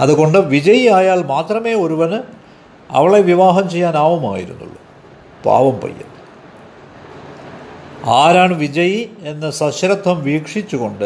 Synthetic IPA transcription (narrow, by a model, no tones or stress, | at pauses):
ɐðuɣo̞ɳɖɨʋid͡ʑɐjiaːjaːɭmaːt̪rɐme̞ːo̞ɾuʋɐn | ɐ̰ʋɐɭe̞ʋiʋaːɦɐmt͡ɕe̞jːaːnaːʋɐma̰ːjiɾṵnːṵɭːu | pa̰ːʋɐmpɐ̰jːɐ̰nːɨ | aːɾaːɳʋid͡ʑɐjie̞nːɐsɐɕɾɐt̪ʰːɐmʋiːkʂit͡ɕːuɣo̞ɳɖɨ